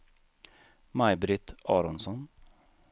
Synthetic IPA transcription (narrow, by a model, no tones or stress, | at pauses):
majbɾɪt̪ɑːɾɔnsɔn